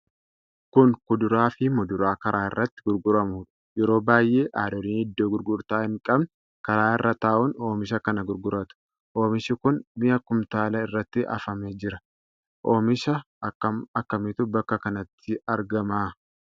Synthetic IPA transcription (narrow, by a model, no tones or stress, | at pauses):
kʊŋkʊd̪ʊɾaːfɪmʊd̪ʊɾaːkɐɾaːɪrːɐt̪ːɪ̥ɡʊɾɡʊɾɐmuːᶑɐ̥jɛɾo̞ːbaːjʔe̞ːʔaːdɔɾiːnhɪd̪ːoːɡʊɾɡʊɾt̪aːhɪŋkʼɐbn | kɐɾaːɪrːɐt̪aːʔʊno̞ːmɪʃɐkɐnɐɡʊɾɡʊɾɐt̪ʊ̥ | ʔoːmɪʃɪkʊnmɪjɐkʊmt̪aːlɐɪrːɐt̪ːɪʔɐ̰fɐmeːd͡ʒɪɾɐ | ʔoːmɪʃɐ | ɐkːɐɐkːɐmɪt̪ʊbɐkːɐkɐnɐt̪ʰːɪɐɾɡɐmaː